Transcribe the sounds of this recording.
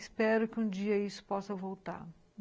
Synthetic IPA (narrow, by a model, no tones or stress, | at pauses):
spɛɾʊkɪũd͡ʒiɐisʊ̥pɔsɐvowt̪a̰ɾ